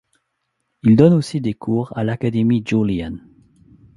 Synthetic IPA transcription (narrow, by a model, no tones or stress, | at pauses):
ild̪ɔnosid̪ekʰuːʁalakad̪emid͡ʒulian